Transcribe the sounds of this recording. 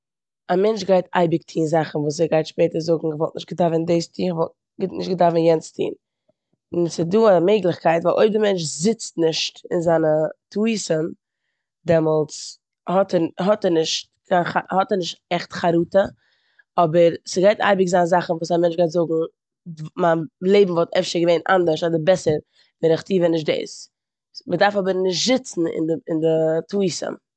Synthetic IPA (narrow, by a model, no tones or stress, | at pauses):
amɛnt͡ʃɡaɪta̰ɪbɪk̚tʰiːnzaχn̩vuːs̬ɛɡaɪtʃpeːtəɾzʊɡŋ̩vɔlˠtnɪʃtɡ̥ədavəndeɪstʰiːχvɔlˠt | ɡnɪʃtɡədavənjɛnt͡stʰḭːn | ɪnsɪduːameɪɡlˠɪχkʰaɪtvaːlˠo̰ɪb̚dɪmɛnt͡ʃzɪt͡stnɪʃtɪnzaːnətʰuisən | dɛmɔlˠt͡s | hɔtɛɦɔtɛnɪʃt̚ | kʰanχahɔtɛɾnɪʃtɛχtχaɾuːtə | ɔbəɾsəɡaɪta̰ɪbɪkzanzaχn̩vuːsamɛnt͡ʃɡaɪtzʊɡŋ̩ | manlˠeɪbm̩vɔlˠtʰɛfʃəɾɡəveɪnʔa̰ndəɾʃɔdəbɛsəɾ | vɛɾɪχtiːvɛnɪʃ̬tdḛɪs | mədaɾfɔbəɾnɪʃtz̥ɪt͡sn̩ɪ̰ndɪndɪtuiːsə̰m